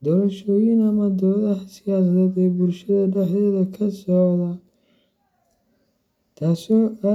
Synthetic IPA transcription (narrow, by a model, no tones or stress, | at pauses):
d̪ɔːɾɐʃɔːjinɐmɐd̪ɔːðɐħsɪjaːsɐðɛːd̪ɛːbʊlʃɐðɐɖɛħɛːðɐkʰɐsɔːðɐ | t̪ʰaːsɔːa